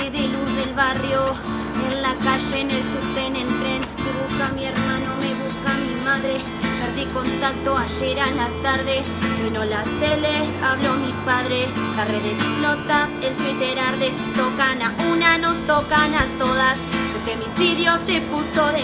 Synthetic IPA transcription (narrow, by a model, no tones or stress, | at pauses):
iðiluɾðelβarjo | enlakaʃenelsuɾt̪enent̪ɾenmeβuskamieɾmanomeβuskamimaðɾe | peɾðikont̪ak̚t̪oaʃeɾalat̪aɾðe | βinolat̪eleaβlomipaðɾelareðesplot̪aelfet̪eɾaɾðest̪okanaunanost̪okanat̪oðaspofemisiðjosepuso